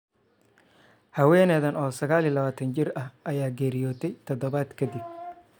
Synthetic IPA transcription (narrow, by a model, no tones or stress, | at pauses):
hɐwɛːnɛðɐnɔːsɐɣaːliːlɐβaːt̪ʰɐnt͡ʃɪrɐhʔɐjaːɡɛːɾɪjɔːt̪ʰɛjt̪ʰɔd̪ɔβaːd̪kʰɐd̪ɪb̚